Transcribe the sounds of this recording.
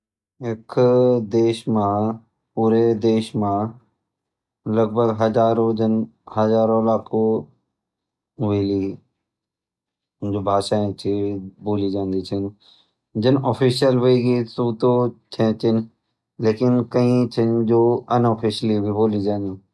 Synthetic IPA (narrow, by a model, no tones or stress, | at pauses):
ɪkʰd̪eːʃmãː | puːɾed̪eːʃmã | lɐɡ̚bʱəɡɦɐd͡ʒaːɾõd͡ʒɪnɦɐzaːɾõːlaːkʰo | ʋeːli | d͡ʒoːbʱaːʃaːẽt͡ʃʰiboːliːd͡ʒãːnd̪it͡ʃʰɪn | d͡ʒɪnɔːpʰiːʃjəlʋəiɡisuːt̪ot͡ʃʰɛ̃ːt͡ʃʰɪn | leːkɪnkəĩt͡ʃʰɪnd͡ʒoːɐnoːpʰiːʃlibʱiboːlid͡ʒãːnd̪iː